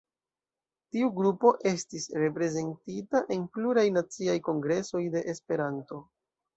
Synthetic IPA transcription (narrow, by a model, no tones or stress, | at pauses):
tiuɡɾupo̞ʔe̞stisɾe̞pɾe̞ze̞ntitaʔe̞npluɾajnat͡siajko̞ŋɡɾe̞so̞jde̞ʔespe̞ɾanto̞